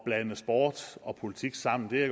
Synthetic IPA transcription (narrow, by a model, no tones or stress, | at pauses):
b̥lænəsb̥ɒːd̥ɒ̽pʰo̝lit͡sʰiɡ̥sɑ̈m̰n̩d̥e̝æɡ